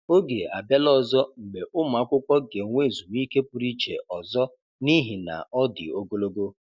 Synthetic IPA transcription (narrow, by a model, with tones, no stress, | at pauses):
o˦ɡe˨a̰˨be˦lɔ˦zɔ˦ŋ͡m̩˨ɡ͡be˨ʔʊ˦mʊ˨a˦kʷʊ˦kʷɔ˦ɡe˨ŋʷe˦˨zu˨m˦i˦ke˦pu˨ɾi˦t͡ʃḛ˨ɔ˨zɔ˦ | ni˦ɦi˨na̰˨ɔ˦dɪ̰˨o˦ɡo˦lo˦ɡo˦